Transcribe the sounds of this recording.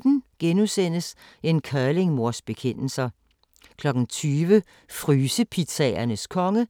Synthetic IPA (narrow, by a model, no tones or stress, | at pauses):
d̥n̩ɡ̥enusen̰əse̝nkʰɶɐle̝ŋmo̝ɐsb̥e̝kʰen̰l̩sɐ | kʰlɒ̽ɡ̥n̩t͡sʰyːʋə | fʁyːsəpʰit͡sʰɛːɐnəskʰɒ̽ŋə